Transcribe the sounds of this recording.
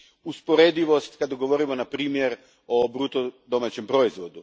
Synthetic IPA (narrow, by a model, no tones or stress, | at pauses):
uspo̞ɾed̪iʋo̞st̪kad̪aɡo̞ʋo̞ɾimonapɾiːmje̞ɾ | o̞bɾut̪od̪o̞mat͡ɕe̞mpɾo̞izʋo̞d̪u